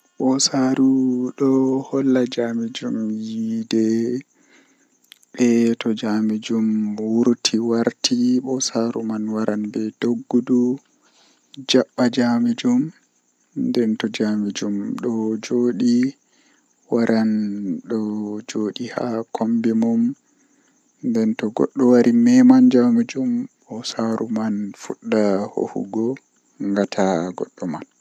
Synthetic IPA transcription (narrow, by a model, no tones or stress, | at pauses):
ɓɔsaɾuɗɔhɔlːad͡ʒamid͡ʒumjidɛ | ɓɛtɔd͡ʒamid͡ʒumwuɾtʰiwaɾtʰiɓɔsaɾṵmanwaɾʔanbɛd̥oɡːudu | d͡ʒaɓːad͡ʒamid͡ʒum | ndɛntɔd͡ʒamid͡ʒumɗɔd͡ʒoɗi | waɾʔanɗɔd͡ʒoɗiha̰kʰombimum | ndɛntɔɡɔ̰ɗːɔwaɾimɛmand͡ʒamid͡ʒumɓɔsaɾumanfuɗːaho̰hṵɡɔ | ŋɡatʰaɡɔ̰ɗːɔman